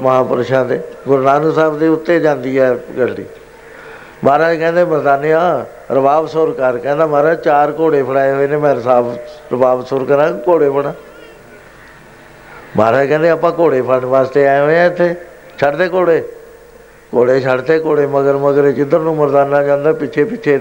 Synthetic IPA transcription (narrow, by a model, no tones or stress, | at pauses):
məɦãːpəɾʃãːd̪eːɡʊɾnaːnusaːbd̪eːʊt̪ːeːd͡ʒãːnd̪iːɛːɡəlːḭː | baːɾaːkɛ̃ːnd̪eːməɾd̪aːneːãː | ɾəbaːbsoɾkəɾkɛ̃ːnd̪aːmaːɾaːt͡ʃaːɾkoːɽeːpʰəɽaːeːɦoːeːnẽːmɛ̃ːɾsaːbɾəbaːʋsʊɾkəɾãːkoːɽeːpʰəɽãː | maːɾaːkɛ̃ːnd̪eːəpãːkoːɽeːpʰəɳʋaːst̪eːaːɦoːãːɪt̪ʰːeː | t͡ʃʰəɖt̪eːkoːɽeː | koːɽeːt͡ʃʰəɖt̪eːkoːɽeːməɡəɾməɡəɾeːt͡ʃɪd̪əɾnũːməɾd̪aːnːaːd͡ʒãːnd̪aːpɪt͡ʃʰeːpɪt͡ʃʰeː